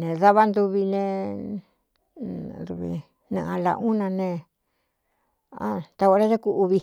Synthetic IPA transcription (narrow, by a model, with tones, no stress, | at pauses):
nẽ˨ða˦βa˦nd̪u˧βi˧nẽ˧˨ | d̪u˧βḭ˧ | nã̰˧ʔã˧la̰˧ʔũ˦nã˧nẽ˧ | a̰˦t̪a˧o˧˦ɾa˦ʒa˦ku˧ʔu˧βi˧